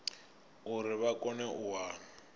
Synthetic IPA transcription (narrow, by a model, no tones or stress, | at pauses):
ʊɾɪβakʼɔnɛʔʊwaːŋ̩